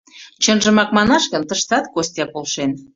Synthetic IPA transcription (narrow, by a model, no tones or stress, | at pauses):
t͡ɕənʒə̆mɑk̚mɑnɑʃkə̆nt̪əʃt̪ɑt̪kosʲt̪jɑpolʃen